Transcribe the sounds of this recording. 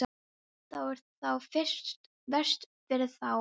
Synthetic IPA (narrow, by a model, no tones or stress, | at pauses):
t̪awɛɾ̥t̪θawfɪst̪ | vɛr̥st̪ | fɪɾɪθaw